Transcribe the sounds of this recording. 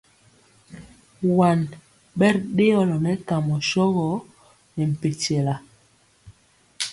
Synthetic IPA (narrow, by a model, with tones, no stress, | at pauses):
wa˨n | ɓɛ˦ɾɗe˦ɔ˦lɔ˨nɛ˦ka˨mɔ˨ʃɔ˦ɣɔ˨˦ | nɛ˨m̩˨pe˨tɛ˨la˨